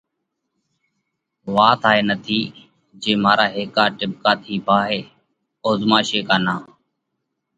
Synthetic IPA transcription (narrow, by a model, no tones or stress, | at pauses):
ʋaːt̪ʰaːɦeːnət̪ʰiː | d͡ʒeːmaːɾaːɦeːkaːʈɪb̚kaːt̪ʰiːpaːɦeː | oːzmaːʃeːkaːnãː